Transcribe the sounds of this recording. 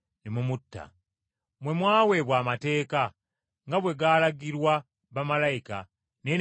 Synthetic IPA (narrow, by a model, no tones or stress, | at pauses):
nemumutːa̰ | mwe̞mwaːwe̞βwaːmate̞ːka | ŋɡaβwe̞ɡaːlaɡiɾwa | βamalajika̰ | ne